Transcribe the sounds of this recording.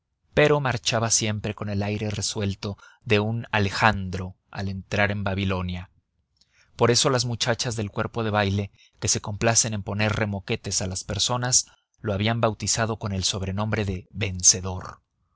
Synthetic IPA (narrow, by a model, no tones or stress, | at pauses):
pe̞ɾo̞maɾt͡ʃaβasje̞mpɾe̞ko̞ne̞lajɾe̞re̞swe̞lt̪o̞ðe̞unale̞xand̪ɾo̞ | a̰le̞nt̪ɾaɾe̞mbaβilo̞nja | po̞ɾe̞so̞lazmut͡ʃat͡ʃazðe̞lkwe̞ɾpo̞ð̞e̞βajle̞ | ke̞se̞ko̞mplase̞ne̞mpo̞ne̞rre̞mo̞ke̞t̪e̞salaspe̞ɾso̞nas | loaβiambawt̪isað̞o̞ko̞ne̞lso̞β̞ɾe̞nõ̞mbɾe̞ðe̞βe̞nse̞ðo̞ɾ